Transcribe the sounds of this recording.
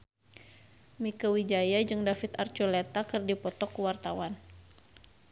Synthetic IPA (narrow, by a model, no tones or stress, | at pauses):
mikəwid͡ʒajad͡ʒɨŋdafit̪art͡ʃulɛt̪akɨrdipɔt̪ɔkwart̪awan